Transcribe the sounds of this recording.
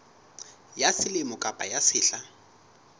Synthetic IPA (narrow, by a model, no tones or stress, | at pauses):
jasɪlɪmʊkʼapʼa̰jasɪːɬa